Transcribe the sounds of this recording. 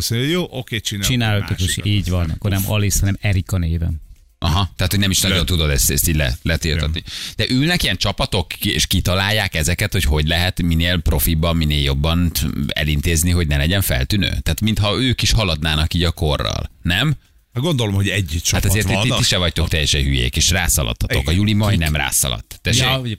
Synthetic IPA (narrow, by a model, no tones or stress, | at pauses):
soɲjoːʔokeːt͡ʃint͡ʃinaːlikiʃʔiːɟʋɒnɒ̰kːornɛmɒlishɒnɛmɛɾikɒneːvɛ̰ | ʔɒɦɒt̪ɛat̪ho̞ɟnɛmiʃnɒɟont̪ud̪o̞d̪ɛst̪ɛst̪iːɟlɛ̰lɛt̪irɒ̰t̪nid̪̥ɛʔylnɛkijɛnt͡ʃɒpɒt̪o̞kḛʃkit̪ɒlaːjːaːkɛzɛkɛt̪ho̞cho̞ɟlɛɦɛt̪mineːlpro̞fibɒmineːljo̞bːɒnɛ̰lint̪eːzniɦo̞ɟnɛlɛɟɛɱfɛ̰lt̪ynø̰ːt̪ɛːt̪mint̪hɒøːkiʃhɒlɒd̪naːnɒkiːɟɒko̞rːɒ̰lnɛm | ɡond̪olomhoɟɛɟt͡ʃaːt̪ɒzeːrit̪ːiʃɛvɒct̪o̞kt̪ɛjːɛʃɛnɦyjḛːkeːʃra̰ːsɒ̰lʔɒ̰t̪ʰːɒtt̪o̞kɒjulimɒinɛmra̰ːsɒ̰lɒ̰t̪ːɛʃɛ